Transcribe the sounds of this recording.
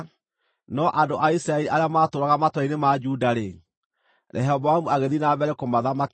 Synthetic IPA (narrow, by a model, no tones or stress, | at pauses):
nɔʔandoʔaisɾaeɾiʔaɾeamaːtoɾaɣamatwainemad͡ʒudaɾe | ɾʔɛ̰ɦɛɔbɔwamuaɣeðinabɛɾekomaðamak